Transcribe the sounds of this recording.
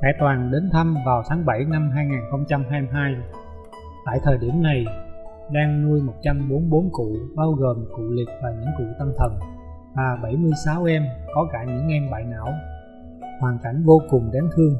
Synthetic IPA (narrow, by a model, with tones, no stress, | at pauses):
xaː˧˩jt̪waː˨˩nɗe˨˦nt̪ʰa˧mvaː˨˩wt̪ʰaː˨˦ŋɓa˧˩jna˧mɦaː˧jŋaː˨˩nxə˧wŋ͡mt͡ɕa˧mɦaː˧m˧ɦaː˧j | t̪a̰ː˧˨jt̪ʰəː˨˩jɗi˧˩əmna˨˩j | ɗaː˧ŋnu˧əjmo˨˩t̚t͡ɕa˧mɓo˨˦nɓo˨˦nkṵ˧˨ɓaː˧wɣo˨˩mkṵ˧˨lï˨˩k̚vaː˨˩ɲɨ̰˧˥ŋkṵ˧˨t̪ə˧mt̪ʰə˨˩n | vaː˨˩ɓa˧˩jmɨ˧əjsaː˨˦wʔɛ˧mkɔ˨˦kaː˧˩ɲɨ̰˧˥ŋʔɛ˧mɓa̰ː˧˨jna̰ː˧˥w | hwaː˨˩nka˧˩jŋ̟vo˧kʊ˨˩ŋ͡mɗaː˨˦ŋt̪ʰɨ˧əŋ